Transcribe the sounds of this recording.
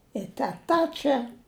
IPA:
ɪ tʲɛˈtɐ ˈt͡ʃʲɛ

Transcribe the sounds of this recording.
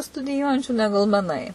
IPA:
stʊdʲɪˈjuɔjɛnʲt͡ʃʲuː ˈnʲæːɡʊlˠ mʲɛˈnɐɪ

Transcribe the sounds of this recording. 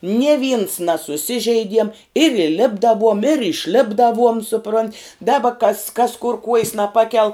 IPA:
nʲiɛ ʋʲiːns nɐsʊˈsʲɪʒʲɛɪdʲiɛm ɪr iːˈlʲɪbdɐʋuɔm ɪr ɪʃʲˈlʲɪbdɐʋuɔm sʊˈproːnʲtʲ ˈdɑːbɐ kɐs kɐs kʊr kuɔjs nɐˈpɑːkʲɛlˠ

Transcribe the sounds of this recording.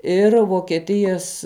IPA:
ˈɪr ʋoːkʲɛˈtʲɪjɛs

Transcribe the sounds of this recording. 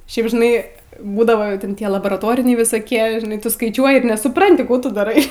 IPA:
ˈʃʲɛɪp ʒʲɪˈnɐɪ ˈbuːdɐʋoː ˈtʲɛn ˈtʲiɛ lˠɐboːrɐˈtoːrʲɪnʲɛɪ ʋʲɪsɐˈkʲiɛ ʒʲɪˈnɐɪ ˈtʊ skɐɪˈt͡ʃʲuɔjɪ ɪr nʲɛsʊˈprɐnʲtʲɪ ˈkuː tʊ dɐˈrɐɪ

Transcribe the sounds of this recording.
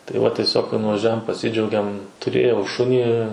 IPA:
tɐɪ ˈʋɐ tʲiɛˈsʲoːk kɐɪ nʊʋɐʒʲˈuɔjɛm pɐˈsʲɪd͡ʒʲɛʊɡʲɛm tʊˈrʲeːjɛʊ ˈʃʊnʲiː

